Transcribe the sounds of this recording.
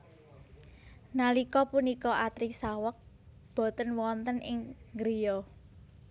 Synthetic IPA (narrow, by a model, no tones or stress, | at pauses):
nalikɔpunikɔʔat̪ɾisawək̚ | b̥ɔ̤t̪ənwɔnt̪ənɪŋɡɾijɔ